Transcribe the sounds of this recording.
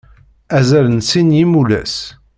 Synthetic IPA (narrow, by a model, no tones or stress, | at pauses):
æzælənsinjimulæ̰s